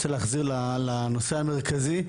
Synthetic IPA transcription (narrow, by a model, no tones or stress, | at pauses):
t͡seleaχziʁlalano̞seameʁkazi